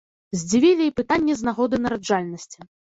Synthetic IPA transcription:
zʲd͡zʲivʲilʲiipɨt̪anʲːɛznaɣɔd̪ɨnɐɾad͡ʐalʲnɐsʲt͡sʲi

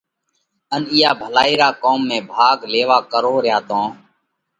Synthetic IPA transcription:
ənɪːjaːbʱəlaːiːɾaːkoːmːẽːbʱaːɡleːʋaːkəɾoːɾɪjaːt̪õː

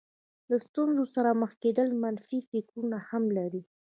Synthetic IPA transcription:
last̪unzosaɾaməxked̪əlmanfifɪkɾunahamlaɾi

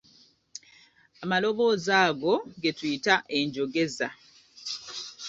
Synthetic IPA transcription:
amalo̞βo̞ːzaːɡo̞ɡe̞twiːtaʔe̞ɲɟo̞ɡe̞za

